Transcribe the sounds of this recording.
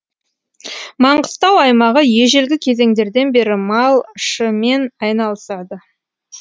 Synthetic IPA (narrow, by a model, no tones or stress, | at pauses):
mɑɴɢəst̪ɑwɑjmɑʁəje̞ʒelɡʲɪkʲʰe̞ze̞ŋd̪e̞ɾd̪e̞nbe̞ɾɪmɑlˠʃəme̞nɑjnɑlˠəsɑd̪ə